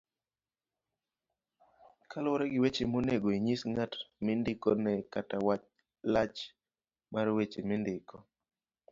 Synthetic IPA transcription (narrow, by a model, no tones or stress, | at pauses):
kʰalɔɾɛɡɪwet͡ʃemoneɡoiɲisŋatmɪndɪkɔnɛkatawat͡ʃ | lat͡ʃ | maɾwet͡ʃemɪndɪkʰɔ